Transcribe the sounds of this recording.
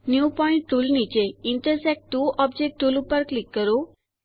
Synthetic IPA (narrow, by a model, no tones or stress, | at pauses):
njupɔiɳʈ̚ʈulnit͡ɕeiɳʈəɾsɛk̚ʈʈuɔb̚d͡ʑek̚ʈʈulupəɾklikːəɾu